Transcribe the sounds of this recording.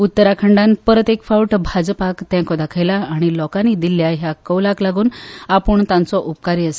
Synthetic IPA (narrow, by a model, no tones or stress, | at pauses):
ut̪ːəɾakʰəɳɖãnpɾət̪ekfawʈbʱad͡zpakt̪ɛ̃kɔd̪akʰəjlaːɽ̃ilɔkaniːd̪ilːjaɦjakəwlaklaɡuːnapəɳt̪ãnt͡sɔʔupkaɾiəse̥